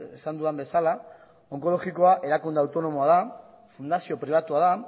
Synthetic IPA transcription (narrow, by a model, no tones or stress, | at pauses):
esand̪uambe̞sala | o̞ŋko̞lo̞ɣiko̞aʔe̞ɾakund̪eawt̪o̞no̞mo̞aða | fund̪asio̞pɾiβ̞at̪uaða